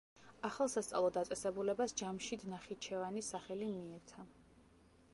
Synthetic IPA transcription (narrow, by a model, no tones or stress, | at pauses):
aχalˠsast̪sʼa̰lˠɔd̪at̪sʼɛsɛbulɛbasd͡ʒamʃid̪naχit͡ʃʰɛvanisaχɛlimiɛɾt̪ʰa